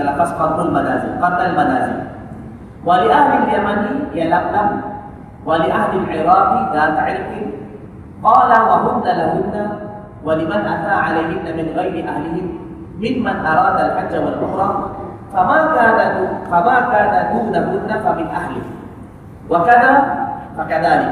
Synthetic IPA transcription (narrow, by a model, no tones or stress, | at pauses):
lafasqɑɾd̪almanaːzɪ̰lqɑdːalmanaːzɪ̰l | walɪʔahlɪljamanjalamːa | walɪʔahlɪlʕɪɾˤɑːfðaːt̪aʕɪlqɪ | qɑːlawaɦʊnːalaɦʊnːa | walɪmanʔat̪aːʕalajɦɪnːamɪnɣajɾɪʔahlɪhɪː | ɪnmanʔɑɾˤɑːd̪alħad͡ʒːawalʔʊxɾˤɑː | famaːkaːnafamaːkaːnahuːnaɦʊnːafamɪnʔahlɪh | wakaðaːfakaðaːlɪk